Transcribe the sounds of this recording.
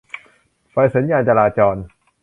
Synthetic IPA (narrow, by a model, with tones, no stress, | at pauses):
fa˨˧˩jsa˩˦njaː˧nt͡ɕaː˧laː˧t͡ɕɔː˧n